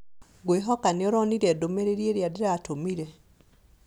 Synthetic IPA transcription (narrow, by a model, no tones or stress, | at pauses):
ɡweɦɔkaneɔɾɔniɾɛdomeɾeɾieɾjadeɾatomiɾe